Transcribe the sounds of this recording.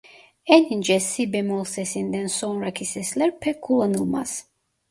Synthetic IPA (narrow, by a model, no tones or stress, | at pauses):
ɛnind͡ʒɛsːibɛmɔlˠsɛsind̪ɛnsɔnɾakʰisɛslɛɾpʰɛkʰulˠɔnulˠma̰s